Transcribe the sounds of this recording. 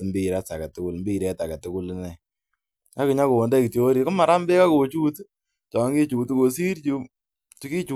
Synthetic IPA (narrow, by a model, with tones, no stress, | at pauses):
mbi˦˨ɾa˦sa˨ka˨tʊ˦kʊ˦lmbi˦˨ɾɛ˦ta˨ka˨tʊ˦kʊ˦lnɛ˨ | a˦kɪ˨ɲa˦ko˨wo˨nda˦ki˨tjo˦o˦ɾi˨ko˦ma˨ɾa˦mbe˦ka˦ko˨t͡ʃu˦t | t͡ʃɔ˨˦ŋɡi˦t͡ʃu˨tu˦ko˨si˦ɾt͡ʃu˧ | tu˦ki˦t͡ʃu